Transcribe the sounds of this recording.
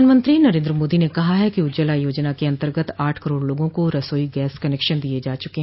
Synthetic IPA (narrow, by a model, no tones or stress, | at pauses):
aːnmə̃nt̪ɾinɐɾẽːnd̪ɾəmoːd̪inekɐɦaɦɛkiʊd͡ʒəlajoːd͡ʒnakeɐ̃nt̪əɾɡət̪aːʈʰkəɾoːɽloːɡõkoɾɐsoːiɡɛːskɐnɛːkʃənd̪ied͡ʒaːt͡ʃʊkeɦɛ̃